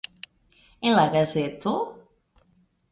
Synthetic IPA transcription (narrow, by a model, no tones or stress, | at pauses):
ẽnlaɣazet̪o